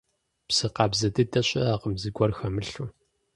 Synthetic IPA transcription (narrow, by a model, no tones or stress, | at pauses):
psɨqɑːbzɐdɨdɐɕʼɪaːqəmzɨɡʷʼɔrxɐmɨɬuː